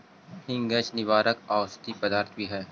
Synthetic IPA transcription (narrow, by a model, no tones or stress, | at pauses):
hɪ̃ŋɡet͡ʃnɪʋaːɾəkaːst̪ipɐd̪aːɾt̪ʰbiɦɛː